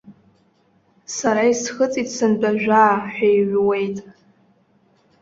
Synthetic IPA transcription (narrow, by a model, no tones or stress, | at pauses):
saɾaisχət͡sʼitsɨnbʼaʒᶣaːħʷᶣajʕwe̞jtʼ